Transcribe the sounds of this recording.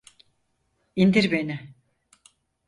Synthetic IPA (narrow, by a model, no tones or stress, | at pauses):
ind̪iɾbe̞ni